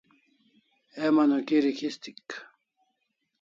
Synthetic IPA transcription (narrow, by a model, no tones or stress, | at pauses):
emɐnokiɾikʰist̪ik